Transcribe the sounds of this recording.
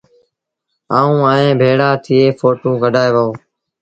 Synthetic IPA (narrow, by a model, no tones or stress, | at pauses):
aːũːaːẽːbʱeːɽaːt̪ʰɪeːfoːʈũːkəɖʱaːeːʋəõː